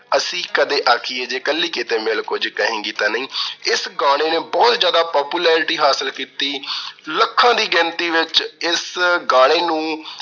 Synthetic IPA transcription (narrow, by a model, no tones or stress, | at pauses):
əsĩːkəd̪eːʔaːkʰieːd͡ʒeːkəlːiːkɪt̪eːmeːlkʊd͡ʒkəɦẽːɡiːt̪aːnəĩːɪsɡaːɽ̃eːneːbɔːt̪d͡ʒjaːd̪aːpɔːpuːlɛːɾɪʈiːɦaːsəlkiːt̪iːləkʰːãːd̪iːɡɛ̃ːnt̪iːʋɪt͡ʃɪsɡaːɽ̃eːnũː